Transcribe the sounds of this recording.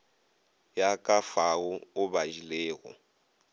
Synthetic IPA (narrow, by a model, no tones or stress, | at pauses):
jakʼafaʊʊbaʒilɛːɣɔ̰